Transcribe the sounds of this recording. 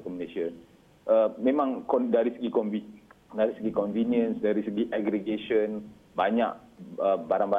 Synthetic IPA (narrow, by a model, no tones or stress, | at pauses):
kəmlesən | ʔəmẽmãŋkɔndaɾisəɡikɔnvi | daɾisəɡikɔnvinjə̃nsdaɾisəɡiʔaɡɾiɡeʃən | baɲa̰k̚əbaɾaŋba